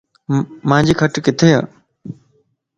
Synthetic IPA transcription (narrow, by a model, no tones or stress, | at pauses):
mãːɲd͡ʑiːkʰəʈkɪt̪ʰeːɦa̰ː